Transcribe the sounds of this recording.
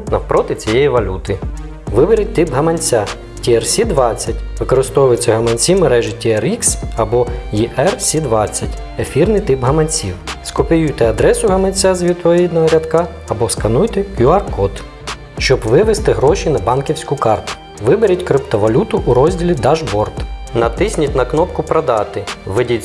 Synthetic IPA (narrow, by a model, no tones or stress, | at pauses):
nɐwpɾʔɔt̪ɪt͡sʲijejiʋɐlʲut̪ɪ | ʋɪbeɾʲɐt̚ʲt̪ɪpɦɐmɐnʲt͡sʲa | tʲiɛrsʲid̪ʋɑt͡sʲːɐtʲʋɪkɔɾɪst̪ɔwʊjet͡sʲːɐɦɐmɐnʲt͡sʲimeɾɛʒɪtʲiɛɾiksɐbɔjiʔɛrsʲid̪ʋɑt͡sʲːɐtʲ | efʲirnɪjt̪ɪpɦɐmɐnʲt͡sʲiwskɔpʲijujt̪ɛɐd̪ɾɛsʊɦɐmɐnʲt͡sʲːazʲʋʲit̪ɔʋʲid̪nɐɦɐɾʲɐd̪kɑː | bɔskɐnujt̪ɛkjʲuɑrkɔt̪ | ʃt͡ʃɔbʋɪʋɪst̪ɪɦɾɔʃinɐbɑnkʲiwsʲkʊkɑrt̪ʊ̥ | ʋɪbeɾʲɐtʲkɾɪpt̪ɔʋɐlʲut̪ʊʔuɾɔzʲdʲilʲid̪ɑʒbɔrt̪nɐt̪ɪsʲnʲitʲnɐknɔpkʊpɾɐd̪ɑt̪ɪʋɪdʲi